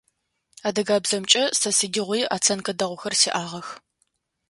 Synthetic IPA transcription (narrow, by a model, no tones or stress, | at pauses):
aːdɐɡaːbzɐmt͡ʃʼɐsɐsɨɡʲɪʁʷiːa̰ːt͡sʰɐnkʼɐdɐʁʷʊxɐrsiːʔaːʁɐx